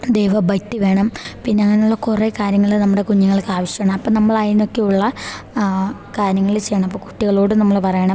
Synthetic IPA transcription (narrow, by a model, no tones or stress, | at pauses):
d̪ejʋɐbɐjtːiʋe̞ːɳɐmpinːeɐŋːɐneuɭːɐkurekaːɾjɐŋːɐɭilnɐmːuɽe̞kuɲːuŋːɐɭkaːʋɐɕjɐɐːɳɐmɐpːoːnɐmːɐɭajno̞kːe̞uɭːɐ | kaːɾjɐŋːɐɭilt͡ɕe̞jːɐɳɐmɐpːoːku̥ʈːiɣɐɭo̞ːɽɨnɐmːɐɭpɐrɐjɐɳɐm